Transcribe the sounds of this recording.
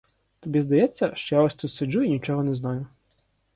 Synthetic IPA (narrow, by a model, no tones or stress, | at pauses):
t̪ɔbʲizd̪ɐjɛt͡sʲːɐʃt͡ʃɔjaɔsʲt̪ut̪ʲsʊd͡ʒuinʲit͡ʃɔɦɔnɛznɑjʊ